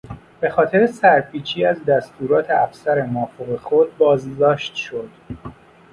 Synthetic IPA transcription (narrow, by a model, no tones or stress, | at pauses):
b̥e̞xɒːt̪ʰe̞ɾesæɾpʰiːt͡ʃʰiːæzd̪æst̪uːɾɒːt̪ʰeæfsæɾe̞mɒːfoɣexod̪̚bɒːzd̪ɒːʃt̪ʃod̪̥